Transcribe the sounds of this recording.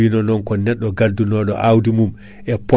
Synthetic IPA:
inɔnɔnkɔnɛɗːɔɡadunɔɗɔ̰ʔawdimum | ʔɛpɔ

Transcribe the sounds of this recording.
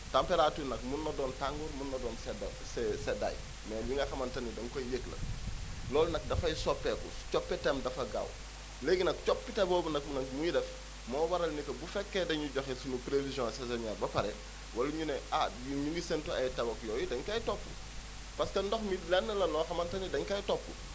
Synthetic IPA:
tampeɾatunɐk̚munːɐdɔːntaŋɡuɾmunːɐdɔːnsɛdɐ | sɛseda̰j | mɛliŋɡɐxɐmɐntɐnidɐŋkojjeklɐ̰lɔːlnɐk̚dɐfɐjsɔpːekṵst͡ʃɔpːɛtemdɐfɐɡa̰w | leːɡinɐk̚t͡ʃɔpːiteboːbunɐk̚nɐkmujidɛf | mɔːwɐɾɐlnikɐbufɛkːedɐɲuɟoxesunupɾefizõsesɐɲaːɾbɐpɐɾḛ | wɐluɲuneʔajuɲuŋɡisentuɐ̰jtɐbɐkjɔːjidɐɲkɐjtopːṵ | pɐskɐndoxmilɛnːɐlɐlɔːxɐmɐntɐnidɐɲkɐjtopːṵ

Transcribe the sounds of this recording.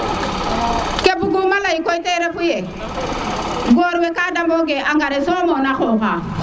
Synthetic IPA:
kebuɡumalaikoiteɾefuje | ɡoːɾwekadamboɡeʔaŋɡaɾesomonaxoːxa

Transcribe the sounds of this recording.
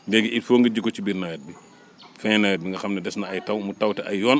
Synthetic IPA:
dɛɡiitfɔːŋɡɐɟikːɔt͡ʃibiːɾnɐwɛt̚bi | fɛnɐwɛt̚biŋɡɐxɐmnɐdɛsnɐɐjtɐwmutɐwtɛʔɐjjɔːn

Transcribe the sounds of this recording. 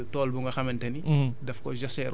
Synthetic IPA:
tɔːlbuŋɡɐxɐmɛntɐnidɐfkɔ̰ʒɐsɛɾ

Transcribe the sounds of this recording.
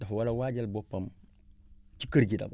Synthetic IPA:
dafwalawad͡ʒalbɔpːɐm | t͡ʃikəɾɡida̰b

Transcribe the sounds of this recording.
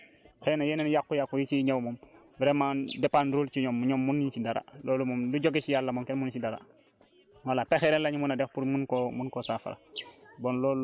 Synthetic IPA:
xenajenenjakːujakːujit͡ʃiɲawmɔm | bɛɾemandepaːnduɾuːlt͡ʃiɲɔmːuɲɔmːunːint͡ʃidaɾa̰lʔoːlumɔmduɟoɡet͡ʃijalːamɔmkenmunt͡ʃidaɾa̰ | walapexeɾenlaɲumunadexpuɾmunkomunkosafa̰ɾa̰bɔnlol

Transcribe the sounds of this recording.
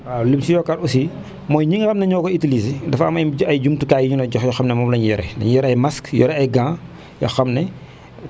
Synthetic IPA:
alimsijɔkaɾusi | mɔːjɲiŋxɐmnɛɲɔːkɔitilisidɐfɐmɐjd͡ʒumtukaːjiɲunɐɟɔxjɔxɐmnɛmɔmlɐɲjɛɾɛ̰lɐ̰ɲjɛɾɐjmaskjɔ̰ɾɛɐjɡãː | jɔ̰xɐmnɛ

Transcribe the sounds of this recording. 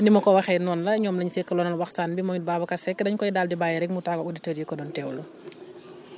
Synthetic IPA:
nimɐkɔwɐxɛnɔnlɐɲɔːmlɐɲsɛkːɐlɔːnɐlwɐxsaːnbimɔɲbaːbɐkɐsɛkːdɐɲkɔjidaːldibaːjɛɾɛkmutaːɡɐuditəːɾjekɔdɔːntɛːwlɐ

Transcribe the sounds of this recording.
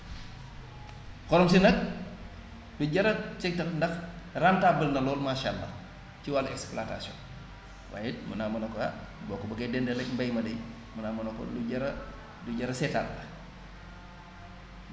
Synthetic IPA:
xɔɾɔmsinɐk̚ | duɟɐɾɐt͡ʃɛk̚tɐkndɐx | rantabəlnɐlɔːlmaːʃa̰ːlːa̰ | ciwalɐɛksplata̰sjɔ̰n | wa̰ːjɛmunamɐnɐka̰bɔːkːɔbɐɡɐdɛndɛlɛkmbɐjmɐdɛj | munamɐnɐkɔ̰luɟɐɾɐ | duɟɐɾɐsɛtallɐ

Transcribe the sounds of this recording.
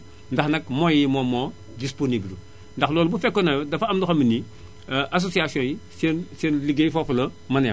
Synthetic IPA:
ndaxnɐkmojimomo | disponibil | ndaxlɔːlbufekːonajodɐfamdoxɐmini | ʔas̬osiasiõjisensenliɡejifoflɐ | mɐnja̰

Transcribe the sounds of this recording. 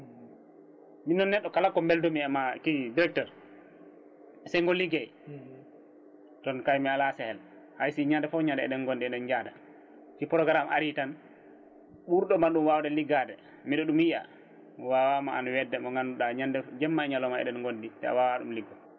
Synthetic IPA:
minːɔnːɛɗːɔkalakːɔmbɛldɔmiɛmakidiɾɛk̚tɛɾ | sɛŋɡɔlːiɡɛj | tɔnkajmialasɛhɛl | hajsiɲandɛfɔɲandɛɛ̰ɗɛnŋɡondiɛɗɛnd͡ʒada | t͡ʃipɾɔɡɾama̰ɾitan | ɓuɾɗɔmanɗumwawdɛliɡadɛ | miɗɔɗumjija̰ | wawamaanwɛdːɛmɔŋɡanuɗaɲandɛd͡ʒɛmːaɛɲalɔmaɛ̰ɗɛnŋɡonditɛ̰a̰wawaɗumliɡːa

